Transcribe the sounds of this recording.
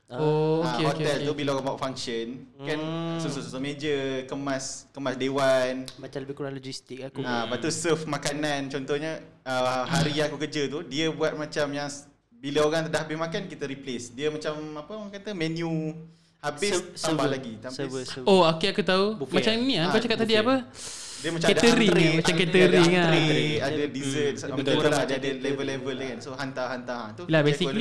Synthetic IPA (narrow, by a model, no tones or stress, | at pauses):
oahɔt̪ɛlt̪ubilaoɣaŋbaaʔfaŋkʃənkansusususəmed͡ʒəkəmaskəmasdewanmat͡ʃaləbɪkonalod͡ʒist̪ik̚akuapat̪usəfmakanant͡ʃɔnt̪ɔhɲəəɦaɾiakukəd͡ʒət̪udiəbuat̪̚mat͡ʃamjaŋ | biləoɾaŋt̪ədahɦabɪsmakankit̪əɾiplesdiəmat͡ʃamapəkat̪əmɛnju | habɪsssabahlaɡiaookeakut̪aumat͡ʃaminĩakat͡ʃakat̪̚ːadiapə | diəmat͡ʃaɛd̪əɾiaamkət̪əɾiŋaɾadadizət̪̚məauladadəlevəlːevəlkansoɦant̪aɦant̪aɦt̪ulabesi